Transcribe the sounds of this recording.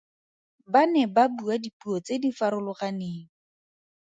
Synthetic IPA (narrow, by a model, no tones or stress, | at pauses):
banɛbabuadipuɔt͡sedifaɾʊlʊχaneːŋ̩